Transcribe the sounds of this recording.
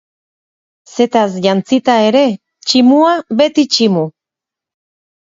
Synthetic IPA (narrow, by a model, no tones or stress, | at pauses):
se̞t̪as̬ʝant͡sit̪ae̞ɾe̞ | t͡ʃimuaβe̞t̪it͡ʃimu